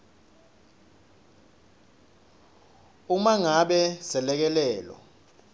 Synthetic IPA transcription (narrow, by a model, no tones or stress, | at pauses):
umaŋaɓɛsɛlɛk̬ɛlɛːlɔ̰